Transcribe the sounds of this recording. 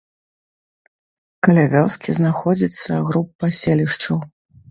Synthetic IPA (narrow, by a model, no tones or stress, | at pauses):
kɐlʲavʲɔwskʲiznaxɔd͡zʲit̪sːɐɣɾupːasʲelʲiʂt͡ʂɐw